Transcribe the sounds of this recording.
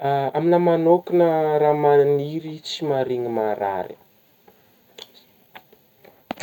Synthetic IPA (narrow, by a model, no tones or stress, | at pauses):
aminəmanokinəɾamaniɾit͡simaɾiŋimaɾa̰ɾḭ